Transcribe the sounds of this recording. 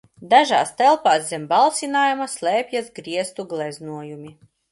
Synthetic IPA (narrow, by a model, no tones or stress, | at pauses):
d̪aʒa̰ːst̪ɛlˠpaːszʲɛmbalˠsʲinaːjumaslˠɛːpʲjazɡɾiɛst̪uɡlˠɛznuɔjumʲi